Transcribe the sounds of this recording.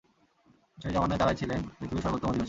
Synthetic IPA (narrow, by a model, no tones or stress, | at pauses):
d͡ʑod͡ʑɔmanet̪aɾat͡ɕʰilenpɾit̪ʰibiʃɔɾbot̪ːomod̪iot͡ɕʰ